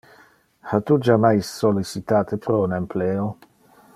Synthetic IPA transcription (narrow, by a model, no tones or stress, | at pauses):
hat̪ud͡ʒamajsːolːisit̪aːt̪epɾɔunempleːo